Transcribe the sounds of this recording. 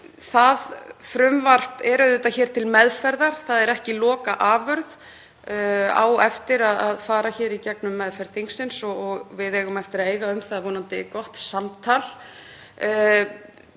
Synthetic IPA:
θaðfɾʏmvar̥pɛɾʏðʏt̪açɛːɾ̥t̪ʰɪlmɛðfɛɾðaɾ̥θaðɛɾɛhcɪlɔːkaʔaːvʏɾð | a̰ːwɛft̪ɪɾaðaðfaːɾaçɛːɾicɛknʏmːɛðfɛɾð̥θeŋksɪnsɔɔɣvɪðɛːɣʏmɛft̪ɪɾaeːjɣaʏmθaðavɔːnant̪ɪkɔht̪samt̪ʰalː

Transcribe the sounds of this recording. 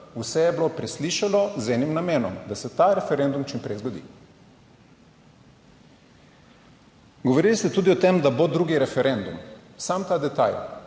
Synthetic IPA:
usɛjɛbilopɾɛsliːʃalɔzɛːnimnameːnɔ̰md̪asɛt̪aɾɛfɛɾɛnd̪umt͡ʃimpɾɛjzɡod̪ḭ | ɡoʋoɾiːlist̪ɛt̪uːd̪iɔt̪emd̪abod̪ɾuːɡiɾɛfɛɾɛnd̪umsamt̪aːd̪ɛt̪a̰j

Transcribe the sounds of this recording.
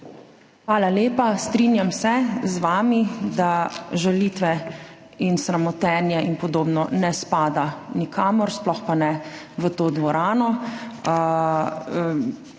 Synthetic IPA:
xʋaːlaleːpast̪ɾinjamsɛzʋaːmid̪aʒalit̪ʋɛ | insɾamɔt̪ɛnjɛʔinpɔd̪oːbnɔnɛspaːd̪anikʰaːmɔɾsplɔxpanɛ | ʋət̪oːd̪ʋɔɾaːnɔ

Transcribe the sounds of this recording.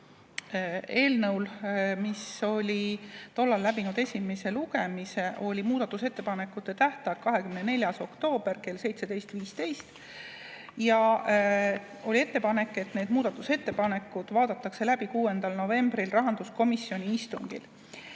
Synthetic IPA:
e̞ːlnɤwlmiso̞lʲit̪o̞lːɑlːæbinud̪̥e̞sʲime̞se̞luɡe̞mise̞ʔo̞lʲimuːd̪̥ɑt̪ːˑuse̞t̪ːe̞pɑne̞kːˑut̪ːˑe̞t̪æht̪ɑjkɑɦe̞kymnene̞lʲjɑso̞kt̪o̞ːb̥e̞rke̞lse̞jt̪se̞d̪e̞jst̪viːst̪e̞jst̪ | jɑ | o̞lʲie̞t̪ːe̞pɑne̞kːˑe̞t̪ːne̞ːd̪muːd̪̥ɑt̪ːˑuse̞t̪ːe̞pɑne̞kːˑud̪̥vɑːd̪̥ɑt̪ːˑɑkse̞læbikuːe̞nd̪̥ɑlno̞ve̞mbrilrɑɦɑnd̪usko̞misːjo̞nʲiist̪uŋɡ̥ḭl

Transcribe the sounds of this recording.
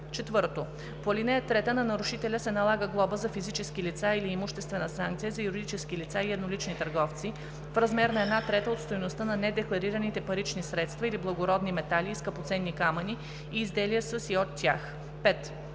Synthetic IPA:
t͡ʃɛt̪vɤɾt̪o | polinɛət̪ɾɛt̪ənɐnɐɾʊʃit̪ɛlʲəsɛnɐlˠaɡəɡlˠɔbəzɐfizit͡ʃɛsk̟ilit̪sailiːmʊʃt̪ɛst̪vɛnəsaŋk̚t̪sijəzɐjuɾid̪it͡ʃɛsk̟ilit̪saiɛd̪nolit͡ʃnit̪əɾɡɔft̪si | fɾɐzmɛɾnɐɛd̪nat̪ɾɛt̪əot̪st̪ojnost̪ənɐnɛd̪ɛklˠɐɾiɾənit̪ɛpɐɾit͡ʃnisɾɛt̪st̪vɐiliblˠɐɡoɾɔd̪nimɛt̪alʲiːskəpot̪sɛnːikamɐni | iːzd̪ɛliəsəsiot̪ʲːjax | pɛt̪

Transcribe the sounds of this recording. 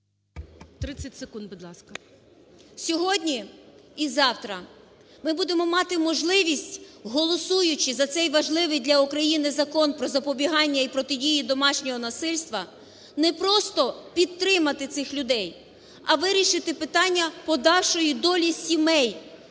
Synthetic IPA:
t̪ɾɪt͡sʲːɐtʲsekund̪bud̪lˠɑskɐ | sʲɔɦɔdʲnʲiizɑwt̪ɾɐ | mɪbud̪emɔmɑt̪ɪmɔʒlˠɪʋʲisʲtʲɦɔlˠɔsujʊt͡ʃɪzɐt̪sɛjʋɐʒlˠɪʋɪjd̪lʲɐukɾɐjinɪzɐkɔnpɾɔzɐpɔbʲiɦɑnʲːɐipɾɔt̪ɪdʲijid̪ɔmɑʃnʲɔɦɔnɐsɪlʲst̪ʋɐ | nɛpɾɔst̪ɔpʲid̪̚t̪ɾɪmɐt̪ɪt̪sɪxlʲʊd̪ɛj | ɐʋɪɾʲiʃɪt̪ɪpɪt̪ɑnʲːɐpɔd̪ɑwʃɔjid̪ɔlʲisʲimɛj

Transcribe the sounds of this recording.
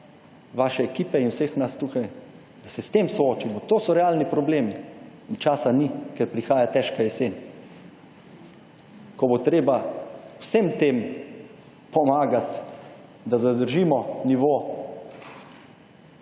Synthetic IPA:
ʋaːʃɛːkiːpɛinwsexnast̪ukaj | d̪̥asɛst̪eːmsɔoːt͡ʃimɔt̪oːsɔɾɛaːlnipɾɔbleːmiːnt͡ʃaːsanikɛɾpɾixaːjat̪ɛʃkajɛseːn | kɔbot̪ɾeːbawsemt̪em | pɔmaːɡat̪ | d̪azad̪əɾʒiːmɔniʋoː

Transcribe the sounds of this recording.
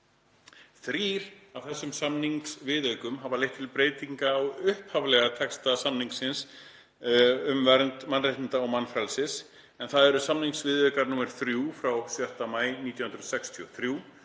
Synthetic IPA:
θɾiːɾavθɛsːʏmsamniŋksvɪðœɥkʏmɦavalejht̪ʰɪlpɾeːjt̪iŋkaːwʏhphavlɛɣat̪ʰɛkst̪asamniŋksɪns | ʏmvɛɾnt̪manrejt̪ɪnt̪aɔwmanːfɾalsɪs | ɛnθaðɛɾʏsamniŋksvɪðœɥkaɾnuːmɛɾ̥θɾjuːfɾawsjœht̪amaːjniːt̪jahʏnɾðsɛkst̪ʰiɔθɾjuː

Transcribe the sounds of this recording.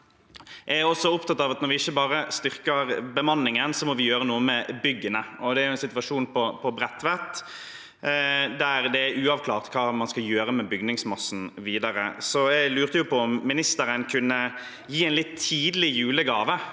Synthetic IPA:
ʔææɾɔsːɔʊpt̪ɑt̪ːɑʋɑt̪nɔɾʋɪɪçːəbɑːɾəst̪ʏɾkəɾbəmɑnːɪŋənsɔmɔʋɪjøːɾənuːəmɛbʏɡːənəʔɔd̪ɛæɾjʊɛnsɪt̪ʋɑʂuːnpʰɔpʰɔbɾɛt̪ːʋɛt̪ | d̪æɾd̪ɛæɾʉːɑʋkʰlɑːʁt̪kʰɑːmɑnskɑljøːɾəmɛbʏɡnɪŋsmɑsːn̩ʋiːd̪ɑɾə̰sɔɛɡlʉːʁt̪əjʊpʰɔɔmːɪnɪst̪əɾənkʰʉnːə | jiːæɛnlɪt̪ʰːiːd̪lɪjʉːləɡɑːʋə

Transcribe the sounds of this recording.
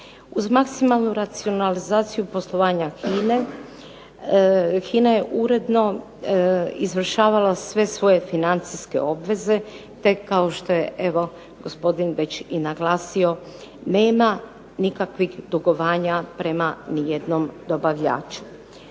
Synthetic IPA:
uzmaksimalˠnuɾat̪sio̞nalizaːt̪sijupo̞slˠo̞ʋaːɲaxiːne | xiːnaje̞ʔuɾe̞d̪no̞ | izʋr̩ʃaːʋalasʋe̞sʋo̞je̞finant̪siske̞̰o̞bʋe̞ze̞ | t̪e̞kːao̞ʃt̪o̞je̞ʔe̞ʋo̞ | ɡ̥o̞spo̞d̪inʋe̞t͡ɕinaɡlaːsio̞ | ne̞ːma | nikakʋixd̪uɡo̞ʋaːɲapɾe̞manijed̪no̞md̪o̞baʋʎa̰ːt͡ʃu̥

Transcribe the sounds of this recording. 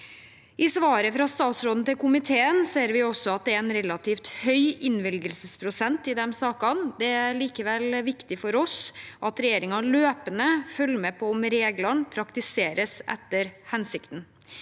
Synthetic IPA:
ʔɪsʋɑːɾəfɾɑst̪ɑːt̪sɾoːd̪n̩t̪ɪlkʰʊmɪt̪ʰeːənseːɾʋɪɔsːɔɑt̪̚d̪ɛæɾɛnɾɛlɑt̪ʰiːft̪hœʏɪnʋɪlɡəlsəspʰɾʊsɛnt̪ɪd̪ɛmsɑːkɑnd̪ɛæɾɭiːkəʋɛlʋɪkt̪ɪfɔɾɔsʔɑt̪ɾɛjeːɾɪŋɑløːpənəfœlːmɛpʰɔʊmɾeːɡlɑɳpʰɾɑkt̪ɪseːɾəsɛ̰t̪ːəɾhɛnsɪkt̪n

